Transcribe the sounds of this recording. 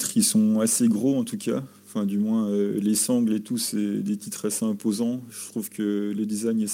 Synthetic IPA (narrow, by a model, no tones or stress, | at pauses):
t̪χisɔ̃aseɡʁoɑ̃t̪ukʲʰã | fɛ̃d̪ymwɛ̃ølesɑ̃ɡlet̪usɛd̪et̪it̪χaseɛ̃pozɑ̃ʒət̪χuvkʰələd̪izajɲɛ